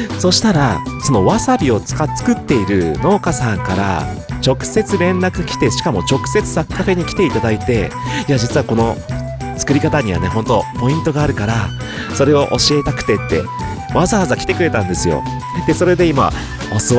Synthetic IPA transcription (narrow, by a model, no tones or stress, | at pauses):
so̞ɕi̥t̪aɾaso̞no̞βasabʲio̞t͡sɨ̥kat͡sɨ̥kɯ̟t̪ːe̞iɾɯ̟no̞ːkasãŋkaɾa̰t͡ɕo̞kɯ̟̥se̞t͡sɨɾẽ̞nːakɯ̟kʲi̥t̪e̞ɕi̥kamo̞t͡ɕo̞kɯ̥se̞t͡sɨ̥sakːaɸe̞ɲ̟ikʲt̪e̞it̪ad̪ait̪e̞iad͡ʑit͡sɨβako̞no̞ | t͡sɨ̥kɯ̟ɾʲikat̪aɲ̟iβa̰ne̞ɦõ̞nt̪o̞po̞ĩnt̪o̞ɡaːɾɯ̟kaɾa | so̞ɾe̞o̞ʔo̞ɕie̞t̪akɯ̟̥t̪e̞t̪ːe̞̰ | βazaβazakʲi̥t̪ekɯ̟ɾe̞t̪ãnd̪e̞sɨjo̞̰ | d̪̥e̞so̞ɾe̞d̪e̞ima̰ | os